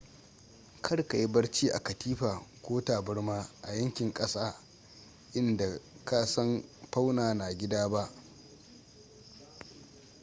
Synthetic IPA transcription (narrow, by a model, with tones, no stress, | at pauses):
kʰɐ˦ɽka˨ji˦bɐ˦ɽt͡ʃiː˦ʔa̰˨kɐ˨tʰiː˦ɸaː˨kʷoː˦taː˨bɐ˦ɽmaː˦ʔa˨jɐ˦ŋkʲɪ˨ŋkʼɐ˦saː˦ | ʔɪ˦nda˨ka˦sɐ˦mɸa˦wnaː˨na˨ɡʲɪ˦daː˦ba˦ʔ